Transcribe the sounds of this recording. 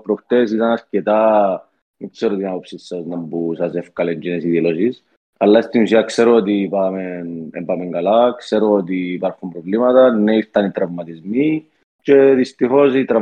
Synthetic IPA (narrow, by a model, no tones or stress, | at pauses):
pɾokt̪esit̪ɐnɐscet̪a | mikseɾot̪inɐpopsisːɐznɐmbusɐsefkɐleɲd͡ʒenesiðilosis | ɐlːɐst̪inusiɐkse̞ɾoot̪ipɐmenḛmbɐmeŋɡɐlɐkse̞ɾoot̪iːpɐɾxumpɾovlimɐt̪ɐneiɾt̪ɐnit̪ɾɐvmɐt̪izmi | ce̞ðist̪ixo̞sit̪ɾɐ